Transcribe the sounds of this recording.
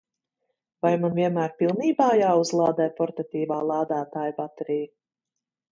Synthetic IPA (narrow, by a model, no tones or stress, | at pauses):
vajmanviɛnmæːɾpilˠniːbaːjaːuzlˠaːd̪ɛjpɔɾt̪at̪iːvaːlˠaːd̪aːt̪aːjpat̪ɛɾiː